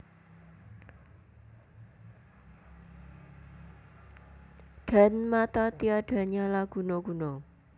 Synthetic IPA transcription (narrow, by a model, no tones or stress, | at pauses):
ɖ̥a̤nmat̪at̪iaɖ̥a̤ɲalaɡ̥ṳnoɡ̥ṳno